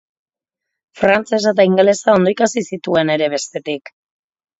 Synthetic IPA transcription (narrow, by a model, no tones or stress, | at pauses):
fɾant͡se̞s̬at̪̬aiŋɡele̞sao̞nd̪oikasisit̪ue̞ne̞ɾe̞β̞e̞st̪e̞t̪ik